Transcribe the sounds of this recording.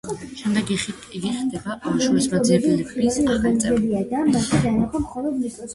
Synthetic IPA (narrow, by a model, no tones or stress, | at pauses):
ʃɛmd̪ɛɡi | iɡiχd̪ɛbaamʃɾisbad̪ziɛbilitʰialiɔɾɡaniɛzɛbiad̪amat̪ʰad̪anaχɔmχɔlˠɔd̪misʼɔs